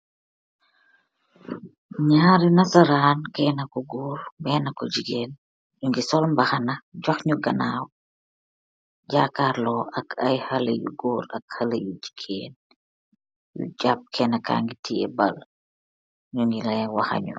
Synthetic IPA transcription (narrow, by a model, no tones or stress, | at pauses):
ɲaːɾinɐsɐɾaːnkɛːnɐkɔɡɔːɾbɛːnɐkɔɟiɡeːn | ɲuŋɡisɔlmbɐxɐnɐɟɔxɲuɡɐnaːw | ɟaːkaːɾlɔʔɐkʰɐjhɐlɐjṵɡɔːɾɐkhɐlɐjuɟi̥ɡʰḛːn | jṵɟap̚kʰɛːnɐka̰ːŋɡitʰiɛ̰bɐl | ɲuŋɡilɛwɐxɐ̰ɲṵ